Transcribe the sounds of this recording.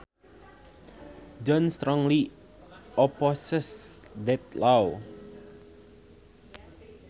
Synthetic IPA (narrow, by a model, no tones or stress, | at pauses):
d͡ʒɔnst̪ɾɔŋli | ɔpɔsəsdɛt̪̚law